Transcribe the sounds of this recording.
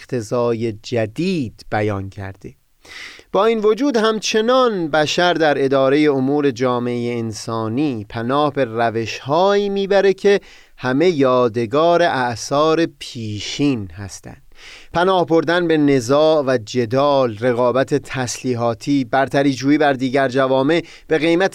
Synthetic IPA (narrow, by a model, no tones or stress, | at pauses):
t̪ʰe̞zɒːje̞d͡ʒæd̪iːd̪̥b̥æjɒːncʰæ̰ɾd̪e̞ | b̥ɒːiːnvo̞d͡ʒuːd̪hæmt͡ʃʰe̞nɒnbæʃæɾd̪æɾe̞d̪ɒːɾe̞je̞omuːɾe̞d͡ʒɒːmeejeːnsɒːniːpʰænɒːhbe̞ræve̞ʃhɒːiːmiːbæɾe̞cʰe̞ | hæme̞jɒːd̪e̞ɡɒːɾe̞ʔæʔsɒːɾe̞pʰiːʃiːnhæ̰st̪æ̰nd̪̥pʰænɒːhbo̞ɾd̪ænbe̞ne̞zɒːʔvæd͡ʒe̞d̪ɒːlre̞ɣɒːbæt̪ʰe̞t̪ʰæsliːɦɒːt̪ʰiːbæɾt̪ʰæɾiːd͡ʒuːiːbæɾd̪iːɟæɾd͡ʒævɒːme̞ | b̥e̞ɣe̞jmæt̪